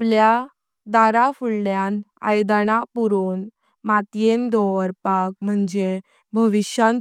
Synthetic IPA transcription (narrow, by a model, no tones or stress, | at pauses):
plja | d̪aɾafuɭljana̰jd̪anapuɾun | mat̪jend̪ɔɾpak̚m̤əɳd͡ʑe | bʱəʋiɕjãn